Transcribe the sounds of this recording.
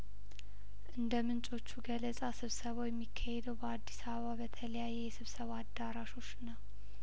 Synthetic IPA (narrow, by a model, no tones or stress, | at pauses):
ʔɨnd̪əmɨnt͡ʃʼo̞t͡ʃːuɡələsʼasɨβsəβojɛmːikʰːahed̪əwbəad̪ːisaβəβabət̪ʰələjajːɛjɛsɨβsəβad̪ːaɾaʃo̞t͡ʃːnəw